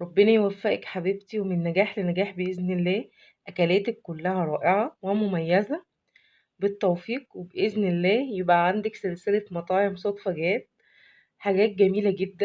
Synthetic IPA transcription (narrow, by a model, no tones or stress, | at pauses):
ɾˤɑbːenæjewæfːæʔekħabiːb̚t̪iwemenːæɡæːħlenæɡæːħbeʔeznelːæː | ʔækælæːt̪ækːolːæhæɾˤɑːʔeʕɑwemomæjːæzæ | bet̪ːæwfiːqwebeʔeznelːæːjebʔæʕand̪ækselselæt̪mɑt̪ˤɑːʕemsˤɑt̪ˤfæɡæːt̪̚ | ħaɡæːt̪̚ɡæmiːlæɡed̪ːæ